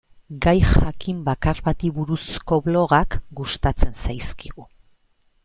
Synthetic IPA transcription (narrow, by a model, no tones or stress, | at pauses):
ɡajxakimbakarβat̪iβuɾusko̞βlo̞ɣakɡust̪at͡se̞nsajskiɣu